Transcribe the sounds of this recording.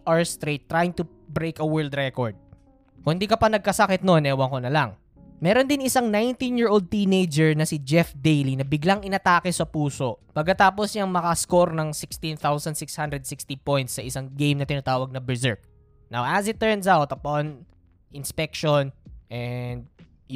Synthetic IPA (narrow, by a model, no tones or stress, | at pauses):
ʔaɹst̪ɾet̪ːɾajɪŋt̪ʊ | bɾejkɐwɛ˞ɹld̪ɾɛkoɹd̪̚ | kʊŋhɪnd̪iːkɐpɐnɐɡ̚kɐsɐkɛt̪̚nonʔɛːwɐŋkonɐlɐŋ | mɛːɾond̪ɪnɪsaŋnajnt̪ĩnjɪɹʔold̪̚t̪iːnejd͡ʒɛɹnɐsɪd͡ʒɛfd̪ejlinɐbɪɡlaŋʔɪnɐt̪aːkɪsɐpuːsoʔpɐɡ̚kːɐt̪aːposɲɐŋmɐkɐskoɾnɐŋsɪkst̪ĩnθawsɐnd̪sɪkshand̪ɾɛd̪̚sɪkst̪ipojnt̪sɐʔɪsaŋɡejmnɐt̪ɪnɐt̪aːwɐɡ̚nɐbɛzɛɹk̚ | nawʔɐsɪt̪ːɛɹns̬awt̪ɐpɔn | ʔɪnspɛk̚ʃonʔɛnd̪̚